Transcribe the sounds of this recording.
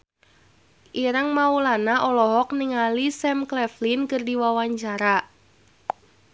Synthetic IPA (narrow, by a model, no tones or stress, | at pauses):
ʔiɾəŋmaulanaʔɔlɔɦɔk̚niŋalisɛmklɛflinkɨrdiwawaɲt͡ʃaɾa